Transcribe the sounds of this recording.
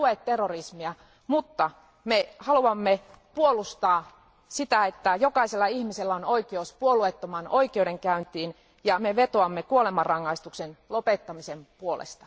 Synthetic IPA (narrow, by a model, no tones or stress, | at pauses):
uet̪t̪erːorismiæ | mut̪ːɑ | mehɑluɑmːepuolust̪ɑː | sit̪æet̪ːæjokɑiselːɑihmiselːæonoikeospuoluet̪ːomɑnoikiodeŋkæynt̪iːn | jɑmeʋet̪oɑmːekuolemɑrːɑŋːɑist̪uksenlopet̪ːɑmisempuolḛst̪ɑ̥